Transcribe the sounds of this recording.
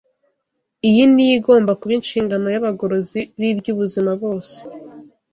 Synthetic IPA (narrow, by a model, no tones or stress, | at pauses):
ijinijiɡo̞ːmbakuβinʃiːŋɡano̞jaβaɡo̞ɾo̞ziβibjuβuzimaβo̞ːse̥